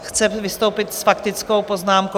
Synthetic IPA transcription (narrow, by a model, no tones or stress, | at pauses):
xt͡sɛvɪst̪owpɪt̪sfakt̪ɪt͡skowpo̞znaːmko